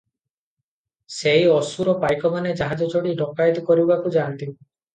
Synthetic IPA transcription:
sejɔsuɾɔpajkɔmaned͡ʒaɦad͡ʒɔt͡ʃoɽiɖɔkajd̪ɔkɔɾibbakud͡ʒant̪i

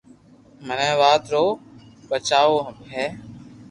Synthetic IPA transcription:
mənẽːʋaːt̪ɾoː | bət͡ʃaːʋoːɦəbɦɛː

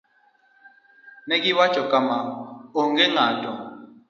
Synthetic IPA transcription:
nɛk̬ʼiβḁʒ̥ʱɔkʼamaɔŋɡɛŋaːtʼɔ

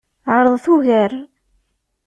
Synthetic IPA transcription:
ʕəɾˤəðˤθuʝəɾ

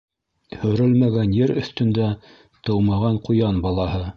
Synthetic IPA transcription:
hɵ̆ɾɵlmæɡænjɘɾɵ̆θt̪ɵ̆nd̪æ | t̪ɤ̆wmɑʁɑɴqujɑnbɑlˠɑhɤ

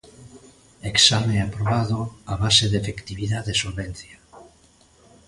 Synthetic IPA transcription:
eksamẽapɾoβaðoaβaseðefekt̪iβiðaðesolβenθja

